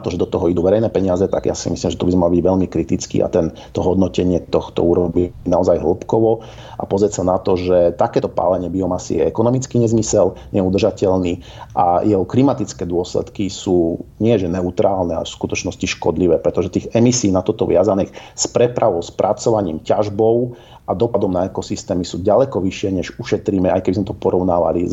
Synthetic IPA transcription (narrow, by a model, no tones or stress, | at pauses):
t̪ɔʒɛd̪ɔt̪ɔɦɔid̪uʋɛɾɛjnɛːpɛɲɪazɛt̪a̰ɡja̰simislimʒɛt̪ɔbizmalɔbiɟʋɛʎmikɾit̪it͡skḭa̰t̪ɛn | t̪ɔɦɔd̪nɔcɛɲɪɛt̪ɔxt̪ɔ̰uɾɔbinaɔzajɦl̩pkɔʋɔ | ʔa̰pɔzɾɛsanat̪ɔʒɛt̪akɛːt̪ɔpa̰ːlɛɲɪɛbiɔmasḭɛɛɛkɔnɔmit͡skiɲɛzmisɛlɲɛud̪r̩ʒacɛlniː | ʔa̰jʔɛɦɔklimat̪it͡skɛːd̪ʊɔslɛ̰t̪kisuːɲɪɛʒɛnɛut̪ɾaːlnɛa̰ɛ̰fskut̪ɔt͡ʃnɔsciʃkɔ̰d̪liʋɛːpɾɛt̪ɔʒɛt̪iːɣɛmisiːnat̪ɔt̪ɔʋɪazaniːxspɾɛpɾaʋɔʊspɾʔat͡sɔʋaɲiːmcaʒbɔʊ | ʔad̪ɔpad̪ɔmnaɛkɔsist̪ɛːmisuːɟalɛkɔʋiʃɪɛɲɛʒuʃɛt̪ɾiːmɛajkɛbizmɛt̪ɔpɔɾɔʊnaːʋa̰lḭz